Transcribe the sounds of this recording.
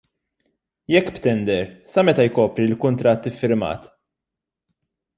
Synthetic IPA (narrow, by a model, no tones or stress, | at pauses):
jɛkːpt̪ɛnd̪ɛɾsɐmɛt̪ɐjkɔːpɾilkʊnt̪ɾɐt̪ːɪfːɪɾmɐ̰ːt̪